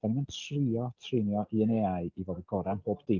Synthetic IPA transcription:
d̥aninmantʰriɔtʰrɪnjɔʔiəneːaɨivodəɡ̥ɔɾanboːb̥d̥ɪ

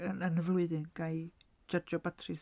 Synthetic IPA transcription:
ənənəvlˠʊɨðɨnɡ̥aj | d͡ʒərd͡ʒɔbatʰrɨs

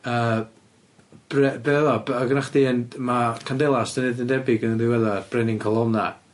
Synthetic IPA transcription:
əː | b̥rɛbɛɛðɔbɔɡənaχdiənmakʰandɛlˠasdənedəndɛbɪɡənndiwɛðab̥rɛnɪŋkʰɔlˠɔna

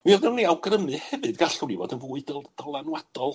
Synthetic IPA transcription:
wiɔðɛwniawɡrəmɨhɛvɨdɡaɬʊnivɔ̰dənvuːɨdəlˠd̥ɔlˠanwad̥ɔlˠ

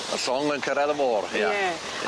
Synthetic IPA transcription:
ə̰ɬɔŋlənkʰəɾɛðəmoːrhia

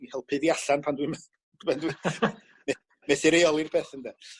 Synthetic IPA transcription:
ihɛlˠpʰɨðiaɬanpʰandwim | ɛndwi | mɛ | mɛθɪɾejɔlˠirb̥eːθəndɛ

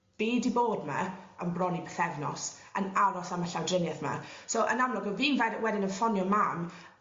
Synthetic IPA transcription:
b̥eːdiboːdma̰əmbrɔnibəθɛvnɔ̰sənaɾɔsaməɬawdrɪnjɛθma̰soʔənamlˠɔɡəviːnvɛdwɛdɪnənfɔnjɔmam

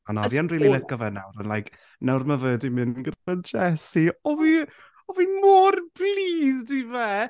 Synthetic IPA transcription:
anɔvianriːlˠiləkɔvɛna̰wɾənlajkʰ | nawrmavəːdimɨnɡərmadd͡ʒɛsiɔvi | ɔvimɔrb̥liːzdivɛ

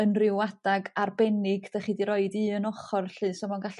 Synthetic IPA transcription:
ənrɪwadaɡarbɛnɪɡd̥aχidiɾɔɨdɨənɔχɔrɬɨːsɔmɔnɡaɬ

